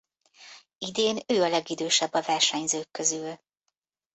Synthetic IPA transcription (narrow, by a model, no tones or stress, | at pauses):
id̪eːnøːɒlɛɡid̪øːʃɛbːɒvɛrʃɛɲzøːkːøzyl